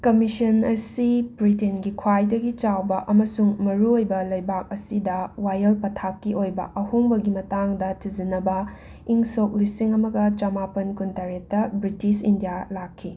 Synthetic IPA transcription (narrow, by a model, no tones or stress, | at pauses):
kɐmisɐnɐsibɾit̬enɡikʰwajdɐɡit͡ʃawbɐʔɐmɐsuŋmɐɾuojbɐlɐjbak̚ɐsidɐwajɐlpɐtʰap̚kːiojbɐ̰ʔɐhoŋbɐɡimɐtaŋdɐtʰizinɐbɐ | iŋsok̚lisiŋɐmɐɡɐt͡ʃɐmapɐnkuntaɾetːɐbɾitisindijalakʰːi